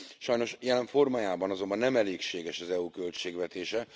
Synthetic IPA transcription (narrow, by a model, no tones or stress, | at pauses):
ʃɒjno̞ʃjɛlɛɱfo̞rmaːjaːbɒnɒzo̞mbɒnːɛmɛleːkʃeːɡɛʃɒzɛuːkølt͡ʃeːɡʋɛt̪eːʃɛ